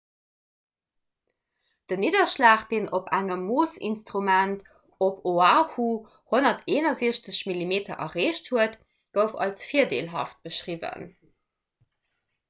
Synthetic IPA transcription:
d̥ənidɐʃlaːχd̥eːnʔopʰæŋəmːoːsḭnstʁumænt | opoaːhu | honɐtʰeːnɐziəɕt͡səɕmilimeːtʰɐ̰ʔɐʁeːɕthuət | ɡ̥əʊfɑ̰lsfiːɐdḛːlɦɑ̰ft̚b̥əʃʁivə̰n

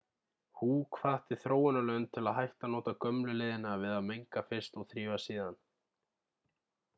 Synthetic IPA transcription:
hukʰvaht̪ɪθɾoːwʏnalœːɣʏnt̪ʰɪlaðɦajht̪anɔːt̪akœmlʏlɪːðɪnavɪðaðmejŋkafɪr̥st̪ɔɣθɾiːvasiːðan

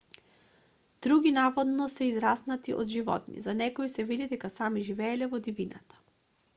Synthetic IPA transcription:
d̪̥ɾuɡʲinavɔd̪nɔsɛizɾasnat̪iʔɔ̰d̪ʒivɔ̰t̪nḭzanɛkoisɛvid̪id̪ɛkasamiʒivɛːlɛvɔd̪ivina̰t̪ḁ

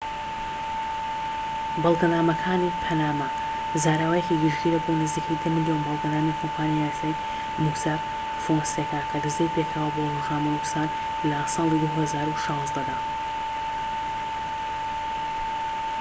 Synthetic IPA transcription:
bɑlˠɡɐnaːmɐkʰaːnipʰɐnaːmɐ | zaːɾaːwɐjekiɡɨʒɡiɾɐbonɨzikʰejd̪ɐmɨljoːnbɑlˠɡɐnaːmikʰompʰaːnjijaːsaːj | musaɾ | fonsekʰaːt̪ʰɐd̪ɨzd̪ɐjpekʰawɐbolɣaːmɐmuksaːn | lɐsɑːlˠid̪uhɐzaːɾuʃɑ̃ːzd̪ɐd̪aː

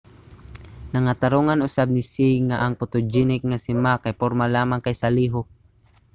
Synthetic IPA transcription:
naŋat̪aɾuŋanʊsab̚nɪsiŋaʔaŋpʊt̪ʊd͡ʒinɪk̚ŋasɪmakajpoɾmalaːmaŋkajsaliɦʊ

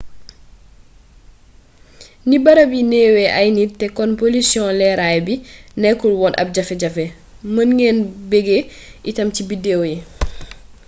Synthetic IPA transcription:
nibɐɾɐbinɛːwɛʔɐjnitɛkɔnpolisjɔ̃lɛɾajbinɛkːulwɔnʔɐ̰p̚ɟɐfɛɟɐfɛ | mɐnŋɛːnbɛɡeʔitɐmcibidɛːwjɛ

